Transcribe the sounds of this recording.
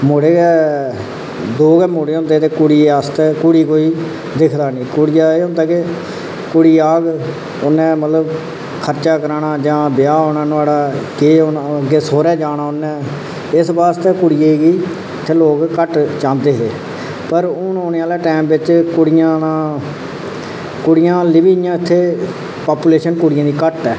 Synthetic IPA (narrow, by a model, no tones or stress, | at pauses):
moɽeːɛː | d̪oːɡɛːmoːɽeːõnd̪eːt̪eːkʊɽiːaːst̪eːkʊɽiːkoːiː | d̪ɪkʰd̪aːnĩːkʊɽɪjaːeːõnd̪eːkeː | kʊɽiːaːɡ | ʊnːɛ̃ːmət̪ləb | kʰəɾt͡ʃaːkəɾaːɳaːd͡ʒãːbɪjaːoːnãːnʊaːɽaːkeːʊnɡeːsoːɾɛːd͡ʒaːnaːʊnːɛ̃ː | ɪsbaːst̪eːkʊɽɪjeiːɡiː | ɪt̪ʰːeːloːkkəʈt͡ʃãːnd̪eːɦḛː | pəɾʊnoːneːaːleːʈɛːmʋɪt͡ʃkʊɽɪjãːnaː | kʊɽɪjãːlɪbiːjãːɪt̪ʰːeː | paːpuːleːʃənkʊɽɪjãːd̪iːkəʈɛː